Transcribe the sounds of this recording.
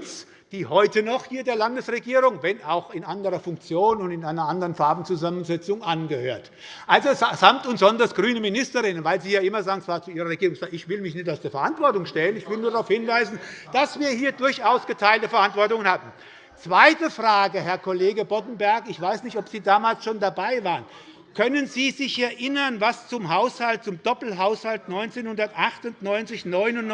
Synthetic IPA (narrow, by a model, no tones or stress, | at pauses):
s | d̥iːhɔʏtənɔχhiːɐdeːɐlandəsʁeɡiːʁʊŋvɛnaʊxɪnʔandəʁɐfʊŋk̚t͡sjoːnʊntɪnaɪnɐʔandəʁənfaɐbn̩t͡suzamənzɛt͡sʊŋʔanɡəhø̰ːɐt | ʔalzosz̥amptʊntz̥ɔndɐsɡ̥ʁyːnəmɪnɪstəʁɪnənvaɪlziːjaːʔɪmɐzaːɡŋ̩t͡sv̥aːt͡suʔiːʁɐʁeɡiːʁʊŋsaɪçv̥ɪlmɪçnɪçtaʊsd̥eːɐfɛɐantv̥ɔɐtʊŋʃtɛlənɪçv̥ɪlnuːɐdaʁaʊfhɪnvaɪzn̩d̥asv̥iːɐhiːɐdʊɐçʔaʊsɡ̥ətʰaɪltəfɛɐʔantv̥ɔɐtʊŋənhaːbm̩ | t͡sv̥aɪtəfʁ̥aːɡəhɛɐkʰɔleːɡəbɔtn̩bɛɐkɪçv̥aɪsnɪçtɔpz̥iːdaːmaːlsʃoːndabaɪvaːʁən | kʰœnənziːzɪçɛɐʔɪnɐnvast͡sʊmɦaʊshalt̚t͡sʊmd̥ɔpl̩ɦaʊshaltnɔʏnt͡seːnhʊndɐtʔaχtʊntnɔʏnt͡sɪçnɔʏnʊn